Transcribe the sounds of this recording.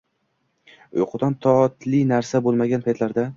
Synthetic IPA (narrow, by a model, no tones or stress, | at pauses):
ʊ̰jqʰʊd̪ɒnt̪ʰɒt̪lɪnaɾsabolˠmaɡʲanpʰajt̪laɾd̪a